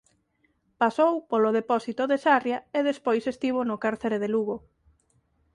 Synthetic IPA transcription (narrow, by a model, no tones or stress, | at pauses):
pasowpoloðepɔsit̪ʊðesarjaeðespojsest̪iβ̞onʊkaɾθeɾeðeluɣo